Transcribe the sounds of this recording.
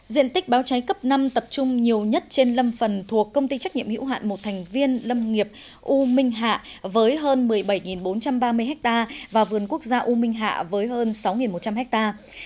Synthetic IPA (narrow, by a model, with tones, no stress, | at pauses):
zḭ˧˨ənt̪ï˦˥k̟̚ɓaː˨˦wt͡ɕa˨˦jkə˦˥p̚na˧mt̪ə˨˩p̚t͡ɕʊ˧ŋ͡mɲi˨˩əwɲə˦˥t̚t͡ɕe˧nlə˧mfə˨˩nt̪ʰu˨˩əkːə˧wŋ͡mt̪i˧t͡ɕa˦˥k̚ɲḭ˧˨ə˨hḭ˧˥wɦa̰ː˧˨nmo˨˩t̚t̪ʰɛ˨˩jŋ̟vi˧ənlə˧mŋi˨˩əp̚ | ʔu˧mï˧ŋ̟ɦa̰ː˧˨vəː˨˦jɦəː˧nmɨ˨˩əjɓə˧˩jŋi˨˩nɓo˨˦nt͡ɕa˧mɓaː˧mɨ˧jɦɛ˦˥k̚t̪aː˧vaː˨˩vɨ˨˩ənku˦˥ək̚zaː˧ʔu˧mi˧ŋ̟ɦa̰ː˧˨vəː˨˦jɦəː˧nsa˨˦wŋi˨˩nmo˨˩t̚t͡ɕa˧mɦɛ˦˥k̚t̪aː˧